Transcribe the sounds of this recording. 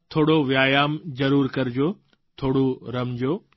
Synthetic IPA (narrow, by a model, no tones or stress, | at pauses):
t̪ʰoːɽoʋjaːjaːmzɐɾuːɾkɐɾɪd͡ʑoː | t̪ʰoːɽuɾɐmd͡ʑoː